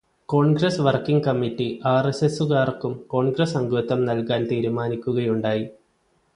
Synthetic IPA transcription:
ko̞ːɳɡrɐsʋɐrkːiŋɡ̚kɐmːitːiʔaːresesuɣaːrkːumko̞ːɳɡɾɐsɐŋɡut̪ːɐmnɐlkaːnt̪iːɾumaːnikʲːuɣɐjuɳɖaːji

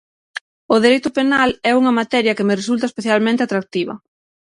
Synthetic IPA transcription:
ʊðeɾejt̪ʊpenalɛuŋɐmat̪ɛɾjɐkɪmɪresult̪ɐespeθjalmẽnt̪eat̪ɾak̚t̪iβɐ̰

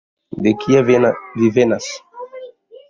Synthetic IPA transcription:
d̪ekʰiavvivenas

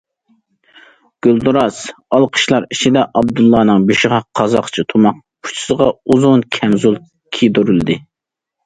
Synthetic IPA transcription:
ɡ̥ʲyld̪uɾɑsɑlˠqʰə̥ʃlˠɑɾit͡ʃʰid̪ɛʔɑbd̪ulˠːɑːnɨŋbeʃɪʁɑqʰɑzɑqt͡ʃʰit̪ʰumɑq̚pʰu̥t͡ʃʰi̥səʁɑuzʊnkʲʰɛmzulˠ | kʲʰid̪oɾyld̪ɪ

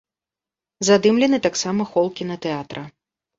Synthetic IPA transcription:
zad̪ɨmlʲɛnɨt̪aksamɐxɔlˠkʲinɐt̪ɛat̪ɾɐ

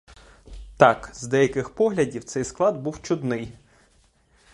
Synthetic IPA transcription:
t̪ɑkzd̪ɛjɐkɪxpɔɦlʲɐdʲiwt̪sɛjsklˠɑd̪buwt͡ʃʊd̪nɪj

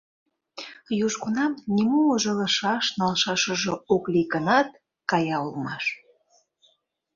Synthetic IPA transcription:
juʒɡunɑmnʲimuməʒɤ̆lə̆ʃɑʃnɑlʃɑʃə̆ʒooklikənɑt̪̚ | kɑjɑulmɑʃ

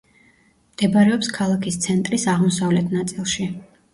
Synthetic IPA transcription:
md̪̥ɛbaɾɛɔpskʰalˠakʰist̪sʰɛnt̪ʼɾisaʁmɔsavlɛt̪ʰnat̪sʼilˠʃi

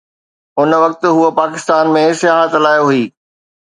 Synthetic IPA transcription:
ʊnʋɐk̚t̪ɦuopaːkɪst̪aːnmẽsɪjaːɦət̪laːjoɦuiː

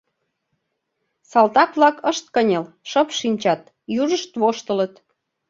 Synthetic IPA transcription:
sɑlt̪ɑkβlɑkəʃt̪̚kənʲəl | ʃəpʃinʲt͡ɕɑt̪ | juʒəʃt̪βoʃt̪ələt̪

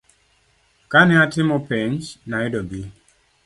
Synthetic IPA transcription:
kanɛatɪmɔpeɲd͡ʒnaɪdɔɡi

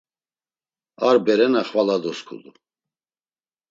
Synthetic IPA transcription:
aɾbɛɾɛnaχvalad̪ɔskʰṵd̪u

